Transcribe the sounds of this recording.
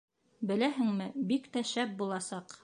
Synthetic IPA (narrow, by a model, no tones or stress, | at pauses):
bɘ̆læɦɘŋmɘbikt̪æʃæp̚bulˠɑsɑq